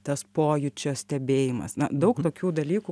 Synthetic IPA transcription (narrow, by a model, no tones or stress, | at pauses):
t̪ɐspoːjʊt͡ʃʲoːsʲt̪ʲɛbʲeːjɪmɐ̰snɐd̪ɐʊkt̪oːkʲuːd̪ɐlʲiːkʊ